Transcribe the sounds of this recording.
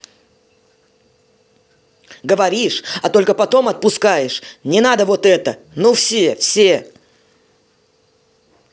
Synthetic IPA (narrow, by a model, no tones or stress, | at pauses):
ɡəvɐɾʲiʂɐt̪o̞lʲkəpɐt̪o̞mɐt̪̚pʊskajɪʂnʲɪnad̪əvo̞t̪ɛt̪ə | nofsʲefsʲe